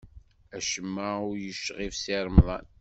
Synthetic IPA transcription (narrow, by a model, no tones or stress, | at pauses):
æʃəmːaʊɾjəʃːʁifsiɾˤmðˤɑ̰n